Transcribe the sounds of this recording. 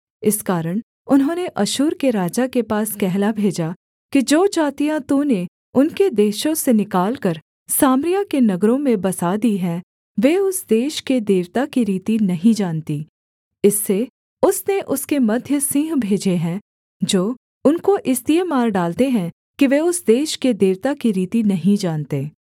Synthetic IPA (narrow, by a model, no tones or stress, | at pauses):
ɪskaːɾəɽ̃ | ʊnɦõːneʔɐʃuːɾkeɾaːd͡ʒakepaːskɛɦlabʱeːd͡ʒa | kid͡ʒoːt͡ʃaːt̪ijãt̪ũne | ʊnked̪eːʃõsenɪkaːlkɐɾ | saːmɾijakenɐɡɾõmẽbɐsad̪iɦɛ̃ | ʋeːʊsd̪eːʃked̪eːʋt̪akiɾiːt̪inɐɦĩd͡ʒaːnt̪i | ɪsːe | ʊsneʔʊskemɐd̪ʱjəsɪ̃ːɦbʱeːd͡ʒeɦɛ̃ | d͡ʒoː | ʊnkoʔɪst̪iemaːɾɖaːlt̪eɦɛ̃ | kiʋeʊsd̪eːʃked̪eːʋt̪akiɾiːt̪inɐɦĩd͡ʒaːnt̪eː